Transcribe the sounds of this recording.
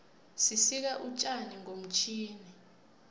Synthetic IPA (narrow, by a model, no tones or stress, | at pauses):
sisik̬aʔut͡ʃʼaniŋom̩t͡ʃʰiːni